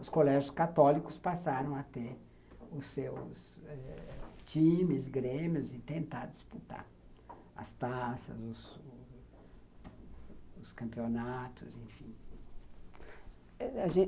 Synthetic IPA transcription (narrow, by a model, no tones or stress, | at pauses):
ʊskolɛʒʊskat̪ɔlikʊspasaɾɐ̃w̃at̪e | ʊsewsɛt͡ʃĩmɪzɡɾẽmiʊzɪt̪ẽnt̪aɾd͡ʒisput̪a̰ɾ | ɐ̰st̪asɐ̰zʊz | ʊskɐ̃mpionat̪ʊzẽfĩ | ɛaʒẽ